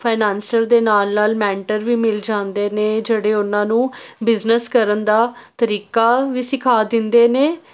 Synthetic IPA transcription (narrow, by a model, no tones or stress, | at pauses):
pʰaːnɛːnsəɾd̪eːnaːlnaːlmɛ̃ːɳʈəɾʋiːmɪld͡ʒãːnd̪eːneːd͡ʒeːɽeːʊnãːnũːbɪznəskəɾənd̪aːt̪əɾiːkaːʋiːsɪkʰaːd̪ɪnd̪eːneː